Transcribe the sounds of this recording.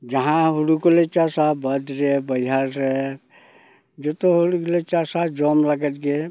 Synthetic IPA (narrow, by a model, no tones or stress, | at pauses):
d͡ʒɐɦãɦuɽukolet͡ʃasabɐd̪ɾebɐjɦaɾɾe | d͡ʒot̪oɦuɽuklet͡ʃasad͡ʒomlɐɡət̪ɡe